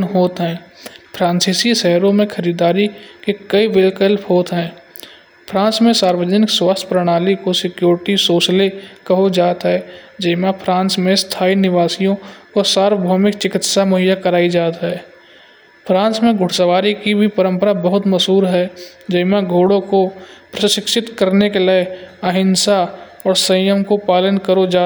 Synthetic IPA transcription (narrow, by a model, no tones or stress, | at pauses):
nɦoːt̪ɦɛ̃ːpʰɾãːnsiːsiʃɛɦɾõmẽkʰəɾiːd̪aːɾikekəiʋɪlkəlpʰɦoːt̪ɦɛ̃ː | pʰɾãːnsmẽsaːɾwəd͡ʒənɪkswaːst̪ʰpɾəɽ̃aːlikosɪkjoːɾɪʈisoːt͡ʃlekɐɦod͡ʒaːt̪ɦɛd͡ʒəɪmapʰɾãːnsmẽst̪ʰaːinɪʋaːsijõkosaːɾwəbʱɔːmɪkt͡ʃɪkɪt̪samɐɦɪjakəɾaːid͡ʒaːt̪ɦɛː | pʰɾãːnsmẽɡʱʊʈʰsəʋaːɾikibʱipəɾə̃mpəɾabəɦʊt̪mɐsuːɾɦɛ | d͡ʒəɪmaɡʱoːɽõkopɾəʃɪkʃɪt̪kəɾnekeleeəɦɪnsa | ɔːɾsə̃jəmkopaːlənkəɾod͡ʒaː